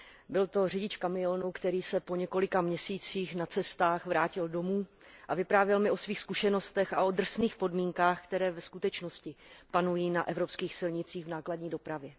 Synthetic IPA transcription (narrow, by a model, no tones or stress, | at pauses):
bɪlt̪o̞rɪɟɪt͡ʃkamɪjonukt̪ɛɾiːsɛpoɲɛko̞lɪkamɲɛsiːt͡siːxnat͡sɛst̪aːxvɾaːcɪldo̞muː | ʔavɪpɾaːvjɛlmɪʔo̞sviːxskuʃɛno̞st̪ɛxʔaʔod̪r̩sniːxpo̞dmiːŋkaːxkt̪ɛɾɛːvɛskut̪ɛt͡ʃno̞scɪpanujiːnaʔɛvɾo̞pskiːxsɪlɲɪt͡siːɣvnaːkladɲiːdo̞pɾavjɛ